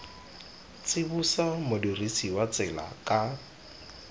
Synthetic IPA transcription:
t͡sʼɪbusamʊdirisiwat͡sɪla̰kʼa

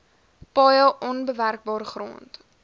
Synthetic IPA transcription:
pɑːjəʔɔnbəværk̚bɑːrχro̰ːnt

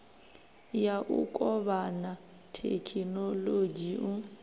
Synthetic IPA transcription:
jaʔʊ̰kʼɔbana | tʰḛkʰinoloɡiʊ

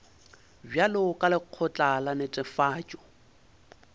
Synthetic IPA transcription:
bjalɪʊkʼalɪq͡χʰɔt͡ɬʼalanetʼɪfaːt͡ʃʼɔ̥

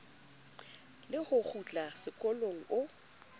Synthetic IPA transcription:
lɪhʊk͡xʰut͡ɬʼasɪkʼɔloŋ̩ʊ

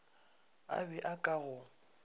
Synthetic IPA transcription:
a̰bɛʔakʼaɣʊ

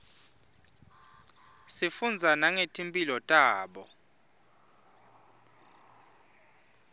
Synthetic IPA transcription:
sifund͡zʱanaŋetʰʼimpʼilɔtʼaːɓɔ

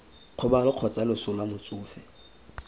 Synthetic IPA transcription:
q͡χʰʊbalʊq͡χʰɔt͡sʼalʊsʊlwamʊt͡sʼʊːfɛ

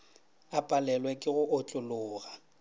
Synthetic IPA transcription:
apʼalɛlwɛkʼɪɣʊʔʊt͡ɬʼʊlʊːɣa

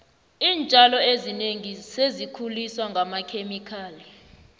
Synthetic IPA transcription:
iːnt͡ʃʼalɔezineŋisezikʰuliswaŋʱamakʰemikʰaːli

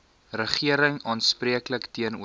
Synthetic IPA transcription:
rəχiəɾəŋɑːnspriəkləktiənṵə

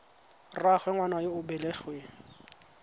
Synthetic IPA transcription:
raχwɛŋwanajoʊbɛleχweŋ̩

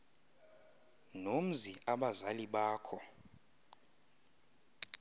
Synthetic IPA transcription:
nom̩ziaɓazaliɓaːkʰɔ

